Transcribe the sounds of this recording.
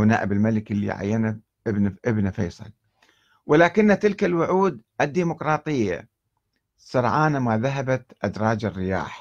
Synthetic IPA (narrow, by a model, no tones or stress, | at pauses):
na̰ːʔɪbɪlmalɪkɪlːḭʕa̰jːana | bʔɪbnafejsˤɑ̰l | wɪlaːkɪnːat̪ɪlkalwʊʕuːd̪ʔɪd̪ːiːmʊkɾˤɑːt̪ˤɨjːa̰ | sˤɑɾˤʕaːnamaːðaɦabat̪ʔad̪ɾˤɑːd͡ʒarːɪja̰ːħ